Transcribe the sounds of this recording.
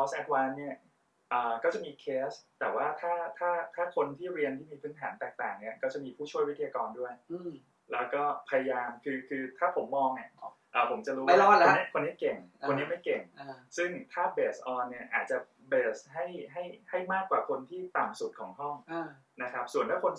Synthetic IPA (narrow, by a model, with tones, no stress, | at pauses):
ʔɔ˧sʔɛ˦˥t̪̚wa˧˥nːi˥˩ɐ | ʔəː˨˩kɔː˥˩t͡ɕa˨˩miː˧kʰeː˦˥st̪ɛː˨˩waː˥˩t̪ʰaː˥˩t̪ʰaː˥˩t̪ʰaː˥˩kʰo˧nt̪ʰiː˥˩ɾi˧ənt̪ʰiː˥˩miː˧pʰɯː˦˥nt̪ʰa̰ː˩˦nt̪ɛː˨˩k̚t̪aː˨˩ŋni˥˩ɐkɔː˥˩t͡ɕa˨˩miː˧pʰuː˥˩t͡ɕʰu˥˩əjwt̪ʰi˧jaː˧kɔː˧ndu˥˩əj | lɛː˦˥wkɔː˥˩pʰa˧ja˧jaː˧mkʰɯː˧kʰɯː˧t̪ʰaː˥˩pʰo˩˦mːɔː˧ŋʔa˨˩ | ʔaː˨˩pʰo˩˦mt͡ɕa˨˩ɾu˦wo˧ni˦˥˩kʰo˧nːi˦˥˩ke˨˩ŋʰo˧ni˦˥˩ma˥˩jke˨˩ŋsɯ˥˩ŋt̪ʰaː˥˩beː˨˩sʔɔː˧nːi˦˥˩ɐʔaː˨˩t̪̚t͡ɕa˨˩ | beː˨˩sɦa˥˩jɦa˥˩jha˥˩jmaː˥˩kːwaː˨˩kʰo˧nt̪ʰiː˥˩t̪a˨˩msu˨˩t̪̚kʰɔː˩˦ŋɦɔ˥˩ŋ˧ | na˦˥kʰɾa˦˥p̚su˨˩ənʰaː˥˩kʰo˧n